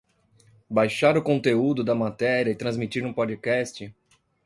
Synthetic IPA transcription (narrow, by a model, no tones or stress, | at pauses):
bajʃaɾʊkõt̪eud̪ʊd̪ɐmat̪ɛɾiɐɪt̪ɾɐ̃zmit͡ʃiɾnũpod͡ʒikɛst͡ʃɪ